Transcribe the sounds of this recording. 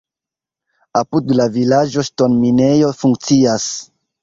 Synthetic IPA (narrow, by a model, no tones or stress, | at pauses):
apudlavilad͡ʒo̞ʃtonminejo̞fuŋk̚t͡sias